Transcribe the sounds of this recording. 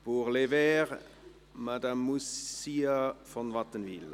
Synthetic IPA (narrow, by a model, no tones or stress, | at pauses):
b̥uːʁlevɛːʁ | mad̪amːusiːafɔnʋat̪ənʋiːl